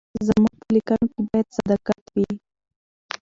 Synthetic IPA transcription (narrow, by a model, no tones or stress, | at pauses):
zamuɡ̚pəlikanokebɑjad̪sad̪akat̪wi